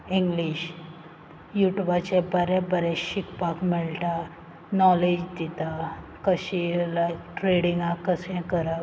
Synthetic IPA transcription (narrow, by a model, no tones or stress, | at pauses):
ĩŋɡliɕ | juʈubat͡ɕebəɾɛ̃bəɾɛɕikpakmɛɭʈa | nɔled͡ʑd̪it̪akəɕilakʈɾeɽĩŋɡãkəsɛ̃kəɾa